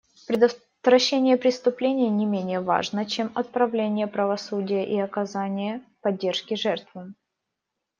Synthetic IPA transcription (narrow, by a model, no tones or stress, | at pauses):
pɾʲɪd̪ | t̪vɾɐɕːenʲɪjəpɾʲɪst̪ʊplʲenʲɪjnʲɪmʲenʲɪjəva̰ʐnət͡ɕemɐt̪̚pɾɐvlʲenʲɪjəpɾəvɐsudʲɪjəʔiɐkɐzanʲɪjəpɐdʲːerʂkʲɪʐɛrt̪vɨ